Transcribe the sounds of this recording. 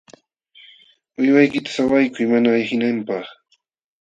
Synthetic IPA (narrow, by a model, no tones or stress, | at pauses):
ʊjwajkɪt̪ḁsawajkʊjmanaːjhɪnampɑχ